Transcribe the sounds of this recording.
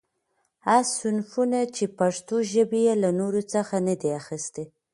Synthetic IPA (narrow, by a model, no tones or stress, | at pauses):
hasʊnfunat͡ʃepaʂt̪oʒəbejelanoɾot͡səxanad̪eaxəst̪e